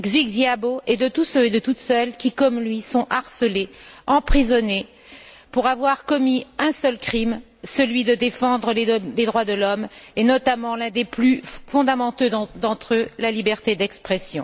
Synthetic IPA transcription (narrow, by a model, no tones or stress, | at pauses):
ɡzikd̪jaboʔed̪ət̪usøed̪ət̪ut̪sœlkʲikɔmlɥisɔ̃ʔaʁsəleɑ̃pχizɔne | puʁavwaʁkɔmiɛ̃sœlkχim | səlɥid̪əd̪efɑ̃d̪ʁəleled̪ʁwad̪əlɔmenɔt̪amɑ̃lɛ̃d̪eplyfɔ̃d̪amɑ̃t̪ød̪ɑ̃t̪χølalibɛʁt̪ed̪ɛkspχɛsjɔ̃